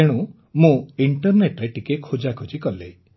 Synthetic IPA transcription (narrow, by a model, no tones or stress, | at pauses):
eɽ̃ũ | mũiɳʈɔɾneʈɾeʈikekʰud͡ʒakʰud͡ʒikɔle